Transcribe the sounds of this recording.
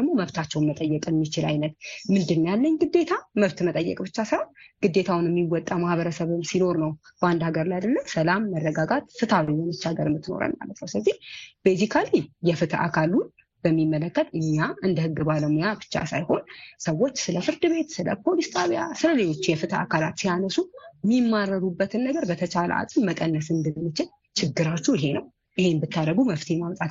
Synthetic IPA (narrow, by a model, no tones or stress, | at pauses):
əɡmo̞məβt̪ʰat͡ʃːɛwnmət̪ʼəjːɛkʼɨmːit͡ʃɪlajnət̪̚mɨnd̪ɨnːjalːəɲɡɨd̪ːe̞t̪ʰaməβt̪mət̪ʼəjːɛ̰kʼbɨt͡ʃːasəaɡ̥ɨd̪ːe̞t̪ʰawnɨmːiwɔt̪ʼːamahβəɾəsəβɨmsino̞ɾnəwb̥əand̪haɡəɾlajad̪əlːəwsəlamːərːəɡaɡat̪fɨt̪ʰawijɛnɨt͡ʃːaɡəɾmːɨt̪ːɨno̞̰ɾə̰lma̰lːət̪nəwsɨləzːihfezikʰalijɛfɨt̪ʰa̰kʰalun | b̥əmːimːələkːət̪ʼɨɲːaɨnd̪əhɨɡːɨbaləmujabɨ̥t͡ʃːa̰sajho̞nsəwːo̞t͡ʃːsɨləfɨɾd̪ɨβe̞t̪sɨlə̰pʰo̞list̪ʰʼaβjasɨləle̞lo̞t͡ʃːjɛfɨt̪ʰa̰kʰalat̪sijanəsumimːaɾːəɾubːət̪ʰɨnːəɡəɾbət̪ʰət͡ʃalə̰ʔa̰kʼɨmməkʼənːəsɨnd̪ɨmːɨt͡ʃɪl | t͡ʃʰɪɡːɨɾat͡ʃːujɪɦe̞nəw | ʔɨhe̞nbɨt̪ʰːaɾəɡuməft̪ʰiɛmamt̪ʼat̪